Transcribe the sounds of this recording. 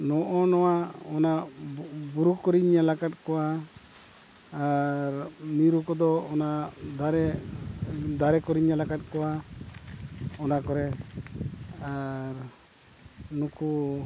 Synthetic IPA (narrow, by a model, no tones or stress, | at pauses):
nɔʔɔnɔwaɔna | buɾukɔɾiɲːalakat̪̚kɔa | ɾmiɾukɔd̪ɔːnad̪aɾɛ | d̪aɾɛkɔɾiɲːalakat̪̚kɔwa | ɔnakɔɾɛ | aɾ | nuku